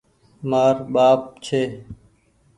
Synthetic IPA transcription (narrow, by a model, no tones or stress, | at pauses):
maːɾɓaːp̚t͡ʃʰeː